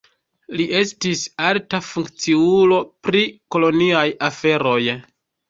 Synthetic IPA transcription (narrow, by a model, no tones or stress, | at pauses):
liʔe̞stisaltafuŋkt͡siulo̞pɾiko̞lo̞niajafe̞ɾo̞j